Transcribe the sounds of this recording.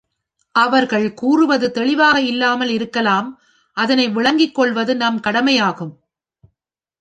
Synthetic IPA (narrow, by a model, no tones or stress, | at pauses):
ʔɐʋɐɾɣɐɭkuːrɯʋɐðɯt̪ɛɭɪʋaːɣɐɪlːaːmɐlɪɾɯkːɐlaːm | ʔɐðɐnɐɪʋɪɭɐŋɡɪkːɔɭʋɐðɯnɐmkɐɽɐmɐjaːɣɯm